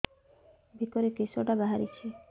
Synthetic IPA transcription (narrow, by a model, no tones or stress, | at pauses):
bikɔɾekisoʈabaɦaɾit͡ʃʰi